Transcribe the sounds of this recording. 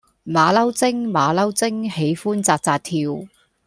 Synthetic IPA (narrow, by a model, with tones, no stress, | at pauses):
maː˨˧lɐ˥wt͡sɪ˥ŋmaː˨˧lɐ˥wt͡sɪ˥ŋhe˨˥jfuː˥nt͡saː˧k̚t͡saː˧t̚t̪ʰiː˧w